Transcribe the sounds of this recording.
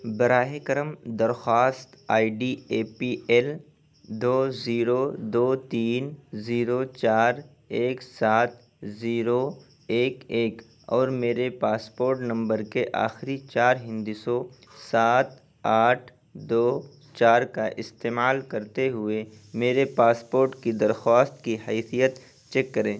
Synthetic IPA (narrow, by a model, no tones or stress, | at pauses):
bɐɾaːɦekəɾəmd̪ɐɾxaːst̪aːiɖieːpiɛːl | d̪oːziːɾod̪oːt̪iːnziːɾot͡ʃaːɾ | eːksaːt̪̚ʰ | ziːɾo | eːkeːk | ɔːɾmeːɾepaːspoːɾʈnɐ̃mbəɾkeʔa̰ːxɪɾit͡ʃaːɾɦɪ̃nd̪iso | saːt̪̚ʰ | aːʈʰ | d̪oː | t͡ʃaːɾkaʔɪst̪eːmaːlkɐɾt̪eɦʊemeːɾepaːspoːɾʈkid̪ɐɾxaːst̪kiɦɛːsijət̪ | t͡ʃɛkːɐɾẽː